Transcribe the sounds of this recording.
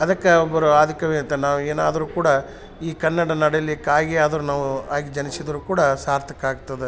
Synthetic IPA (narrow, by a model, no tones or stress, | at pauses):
ɐd̪ɐkːɐɔbːɐɾuaːd̪ʱikɐʋent̪enaːʋueːna̰ːd̪ɐɾuːkuːɽɐ | iːkɐnːɐɽɐnɐɽɐjɐlːikaːjɡeaːd̪ɐɾunaːʋuaːɡid͡ʒɐnisid̪ɐɾuːkuːɽɐsaːɾt̪ʰɐkaːɡt̪ɐd̪e